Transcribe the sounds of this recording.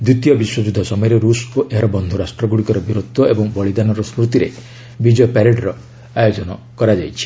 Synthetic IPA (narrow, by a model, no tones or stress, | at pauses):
d̪ɾut̪ijɔbiswɔd͡ʒud̪ʱːɔsɔmɔjɔɾeɾusoʔeɾɔbɔnd̪ʱuɾasʈɾɔɡuɽikɔɾɔbʱiɾot̪ːɔʔebɔŋbɔɭid̪anɔɾɔskɾut̪iɾḛ | bid͡ʒɔpɛɾeɖɾɔ | ajod͡ʒɔnɔ | kɔɾad͡ʒajt͡ʃʰi̥